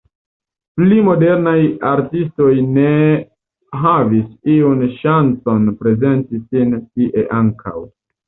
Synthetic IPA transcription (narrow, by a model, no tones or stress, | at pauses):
plimo̞de̞ɾnajaɾtisto̞jne̞ | ɦavisiunʃant͡so̞npɾe̞ze̞ntisintiʔe̞ʔaŋkʰa̰w